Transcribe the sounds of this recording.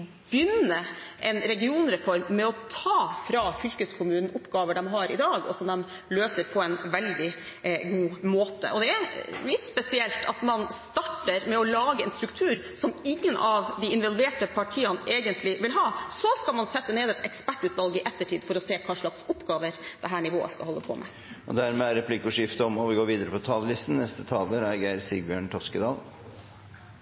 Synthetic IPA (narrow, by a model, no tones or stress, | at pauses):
bjʏnːəʔɛnɾɛɡɪuːnɾɛfɔɾmːɛɔt̪ʰɑːfɾɑfʏlkəskʰʊmʉːnən̩ʊpːɡɑːʋəɖɛmɦɑɾɪ̰d̪ɑːɡɔ̰sɔmd̪ɛm | løːsəɾpʰɔɛnʋɛld̪ɪ | ɡuːmoːt̪ə̰ʔɔd̪ɛæɾlɪt̪spɛsɪɛlt̪ʰɑ̰t̪mɑnst̪ɑʈːəɾmɛɔlɑːɡəɛnst̪ɾʉkt̪ʰʉːɾ | sɔmɪŋːənʔɑʋd̪ɪɪnʋɑlʋeːʈəpʰɑʈʰiːɑnʔeːɡənt̪ʰlɪʋɪlɦɑːsɔskɑlmɑnsɛt̪ːəneːd̪ɛt̪ɛkspæʈːʉːt̪ʋɑlɡɪʔɛt̪ːəʈʰiːd̪fɔɾɔseːkʰɑːʂɭɑksɔpːɡɑːʋəɾd̪̥ɛɦæːɳɪʋo̰ːə̰skɑ̰hɔlːəpʰɔ̰mʔɛ̰ | ʔɔ̰d̪æɾmɛæɾɛpʰlɪkːʊʂjɪft̪əɔmɔʋɪɡoːɾʋiːd̪əɾəpʰɔt̪ʰɑːləlɪst̪n̩nːɛst̪ət̪ʰɑːləɾæɡæɪɾsɪɡbjøːɳt̪ʰɔskəd̪ɑːl